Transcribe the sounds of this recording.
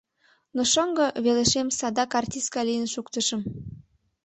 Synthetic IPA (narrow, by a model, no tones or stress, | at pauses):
noʃəŋɡɤ̆βeleʃemsɑd̪ɑkɑrtʲiskɑlijənʃukt̪ə̆ʃə̆m